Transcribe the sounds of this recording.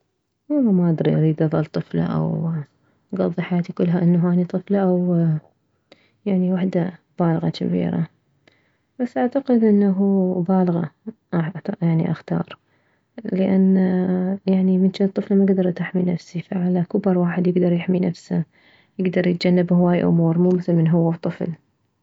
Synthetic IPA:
wɑlˤːamaʔad̪ɾḭʔɾiːd̪ʔɑðˤɑlt̪ˤɨfla̰ʔa̰w | ɡɑðˤːiħajaːt̪ikʊlːɦaʔɪnːaɦaːnit̪ˤɨflaʔaw | jaʕniwaħd̪a | b̥aːlɣɑ̰ka̰bḭːɾa̰ | b̥asːʔaʕt̪aqɪd̪ʔɪnːaɦubaːlɣɑ̰ʔajaʕnḭʔa̰xt̪ɑ̰ːɾˤ | ləʔanːjaʕnimɪnʃnɨt̪ˤːɨflmaɡd̪ɑɾˤt̪aħminafsifaʕalakʊbɑɾˤwaːħɪd̪jɪɡd̪ɑɾˤjɪħminafsa | jɪɡd̪ɑɾˤjɪt̪̚d͡ʒanːabhʊwaːjʔʊ̰muːɾmuːmɪθɪlmɪnɦʊwːat̪ˤːɨfl

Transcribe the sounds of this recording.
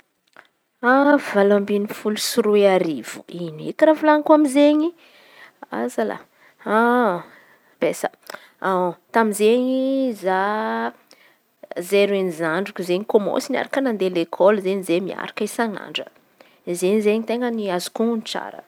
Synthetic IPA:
avalambinifulusuɾueaɾiv̥uinḛkiravulaŋkuamizeɲi | a̰zala̰ | a | b̥esa | at̪amizeɲiza | zeɾenizaɳɖ͡ʐukʲuzeɲikomo̰sinia̰ɾakənand̪elekʰɔlzeɲizemia̰ɾḁkəisana̰ɳɖ͡ʐə | zeɲizeɲit̪eŋɡəniazu̥kunt͡sa̰ɾə̰

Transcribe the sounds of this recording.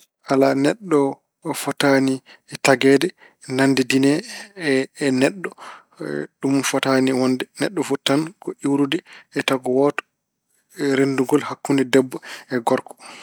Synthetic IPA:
ʔalanɛɗːɔ | fɔtaniɛtaɡɛːdɛ | nandɛdinɛː | nɛɗːɔ | ɗumfɔtaniwɔndɛnɛɗːɔfutːankɔʔiwɾudɛːtaɡɔwɔtɔ̥ | ɾenduŋɡɔlhakːundɛdɛbːɔɛɡɔɾkɔ̥

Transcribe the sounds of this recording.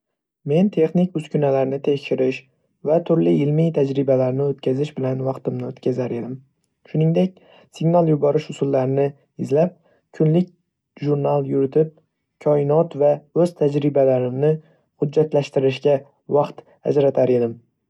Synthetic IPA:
me̞nt̪ʰe̞χnɪk̚ʲʊz̥kʲʊnalaɾɪnɪt̪ʰe̞kʲʃɪɾɪʃ | vat̪ʰʊɾlɪjɪlmɪjt̪ʰad͡ʒɾɪbalaɾnɪot̪̚kʲʰazɪʃbɪlanvɑqt̪ɪmnɪot̪kʲʰazaɾe̞d̪ɪm | ʃʊnɪŋd̪ekʲ | sɪɡnalˠjʊbɒɾɪʃʊsʊlˠːaɾɪnɪ | ɪzlap̚ | kʰʊnlɪkʲ | ʒuɾnalˠjʊɾɪt̪ʰɪp̚ | kʲʰɒɪnɒt̪vaɵz̥t̪ʰad͡ʒɾɪbalaɾɪmnɪ | hʊdd͡ʒːat̪laʃt̪ɪɾɪʃkʲa | vɑqt̪ | a̰d͡ʒɾat̪ʰaɾe̞d̪ɪm

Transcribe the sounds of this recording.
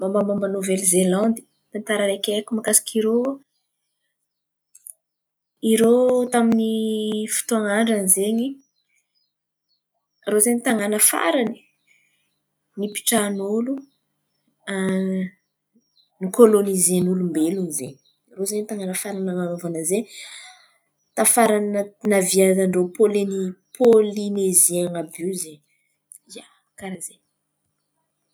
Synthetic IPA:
mamamambanovelzelɑ̃nd̪i̥ | t̪ant̪aɾaɾakekʲumakasi̥kʰiɾo | iɾot̪aminifi̥t̪uaŋaɳɖ͡ʐanizeɲi | rozeɲit̪aŋanəfa̰ɾani̥ | nipi̥ʈ͡ʂanulu | a | nikolonizenulumbelunizeɲ | rozenit̪aŋanəfaɾanaŋanovanəze | t̪afaɾannənaviazaɳɖ͡ʐopolinipʰolinezeaŋabizeɲ | ia | kaɾaz̥eɲ

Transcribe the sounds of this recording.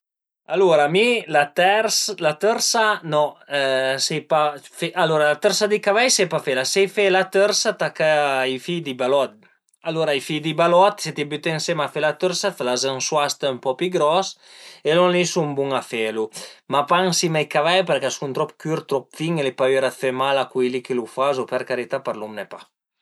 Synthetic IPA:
aluɾamilat̪ɛɾslat̪əɾsanɔ | sepafeʔaloɾalat̪əɾsad̪ikavajsepafelasɛjfelat̪øɾsat̪akaifijd̪ibalɔt̪̚ | aloɾaifijd̪ibalɔt̪set̪ibyt̪ensemafelat̪øɾsatlazanswast̪mpɔpiɡɾɔselɔnlisumbuŋafelumapaŋsimajkavajpɛɾkasunt̪ɾɔpkyɾt̪ɾɔp̚fiŋelepayɾafemalakijlikelufazopɛɾkaɾit̪apaɾlumnepa

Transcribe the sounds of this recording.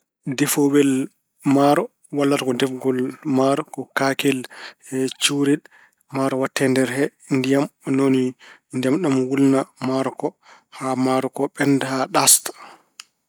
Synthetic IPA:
dɛfowɛl | maɾɔ | walːatakɔdɛfɡɔlmaɾɔkɔkakɛlhɛt͡ʃuɾiɗ | maɾɔwatʰːɛndɛɾɦɛ | ndijamɔnonindɛmɗɔmwulnamaɾɔkɔ | hamaɾɔkɔɓɛndhaɗast

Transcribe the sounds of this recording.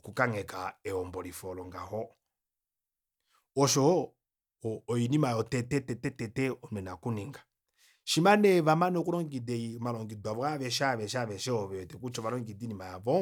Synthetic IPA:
kukaŋɛkaɛɔmbɔlifɔlɔŋɡahɔ | ɔʃɔ | jinimajɔtɛtɛtɛtɛtɛtɛɔnɛnakuniŋɡḁ | ʃimanɛβamanɔkulɔŋɡidɛimalɔŋɡidwaβɔaβɛʃaβɛʃaβɛʃɛɔβɛtɛkut͡ʃɔβalɔŋɡidinimajaβɔ

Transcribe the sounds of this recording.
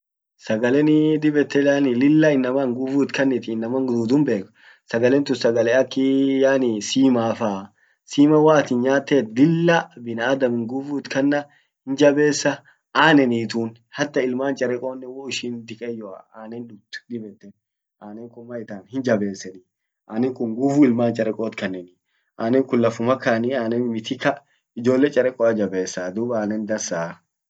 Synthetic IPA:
sɐɡɐlɛnɪd̪ɪbɛt̪ːɛjaːnɪlɪlːɐɪnːɐmaŋɡʊvuːt̪kɐnːɪt̪ɪɪnːɐmɐŋɡd̪uːd̪ʊmbe̞ːk | sɐɡɐlɛnt̪ʊsɐɡɐlɛɐkːɪjaːnɪsiːmaːfaː | siːmɐwaːt̪iːnɲaːt̪ːeːt̪lɪlːɐbɪnɐːd̪ɐmɪŋɡʊvut̪kɐnːɐ | hɪnd͡ʒɐbe̞ːsːɐ | ʔaːnɛniːt̪uːn | hɐt̪ːɐɪlmaːnt͡ʃʼɐɾɛkʼoːnːɛwɔɪʃiːnd̪ɪkʼɛjɔɐ̰aːnɛnᶑʊt̪dɪbɛt̪ːɛn | ʔaːnɛŋkʊmːɐɪt̪aːnhɪnd͡ʒɐbe̞ːsːɛni | ʔaːnɛŋkʊŋɡuːfuːɪlmaːnt͡ʃʼɐɾɛkʼoːt̪kɐnːɛni | ʔaːnɛŋkʊlːɐfʊmɐkaniaːnɛnmɪt̪ʰɪkɐ | ɪd͡ʒo̞ːlːɛt͡ʃʼɐɾɛkʼɔɐd͡ʒɐbeːsːɐd̪uːbaːnɛnd̪ɐɾsa

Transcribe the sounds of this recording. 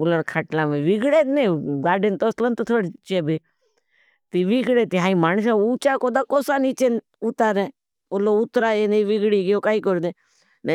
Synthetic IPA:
ʊləɾkʰaʈlãːmẽʋɪɡɽeːt̪nẽɡaːɖent̪oslənt̪ot̪ʰoɽt͡ʃeːbe | t̪iːʋiɡɽet̪iɦaːĩmaːns̬eut͡ʃakoːd̪aːkoːsaːnit͡ʃen | ut̪aːɾẽː | oloʊt̪ɾaːjeːneʋɪɡɽiːɡɪjoːkaːikoɾd̪ẽː | ne

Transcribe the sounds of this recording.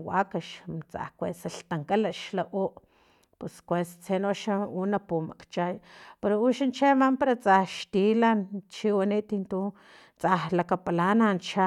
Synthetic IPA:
wakaʃt͡sa̰hkʷḛsaɬt̪aŋkalaʃlaʔoʔ | puskʷest͡senoʃaunapuma̰kt͡ʃajpeɾouʃant͡ʃemampaɾat͡sahʃt̪ilant͡ʃiwanit̪int̪u | t͡sahlakapalanant͡ʃa

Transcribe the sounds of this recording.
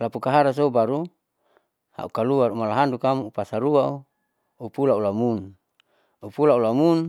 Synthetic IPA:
lapukaɦaɾas̬oubaɾu | ha̰ukaluaɾumalaɦandukamuupasaɾuau | upulaulamun | upulaulamun

